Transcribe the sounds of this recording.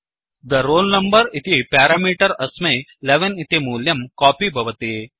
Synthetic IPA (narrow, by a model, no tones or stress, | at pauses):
d̪ɐɾoːlnɐmbɐɾit̪ipaːɾaːmiːʈɐɾɐsmɐjleʋɐnit̪imuːljɐmkaːpibʱɐʋɐt̪e